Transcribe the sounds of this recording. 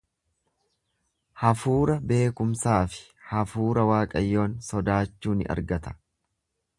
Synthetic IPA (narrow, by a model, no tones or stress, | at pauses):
hɐfuːɾɐbe̞ːkʊmsaːfɪ̥ | hɐfuːɾɐwaːkʼɐjːo̞ːnsɔd̪aːt͡ʃːuːnɪ̰ʔɐ̰ɾɡɐt̪ɐ̥